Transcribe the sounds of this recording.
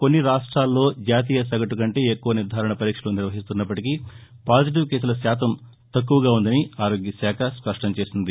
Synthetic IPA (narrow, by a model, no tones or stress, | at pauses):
ko̞nːiɾaːʂʈɾaːlːo̞ːd͡ʒaːt̪̬iːjɐs̬ɐɡɐʈukɐɳʈeːekːuʋɐniɾd̪ʱaːɾɐɳɐpɐɾiːkʂɐluːniɾʋɐɦist̪unːɐp̬ːɐʈiki | paːd͡ʒiʈ̬iʋkeːs̬ulɐsaːt̪ɐm | t̪ɐkːuʋɐɡaːund̪ɐniaːɾo̞ːɡjɐsaːkʰɐspɐʂʈɐmt͡ʃe̞ːsind̪i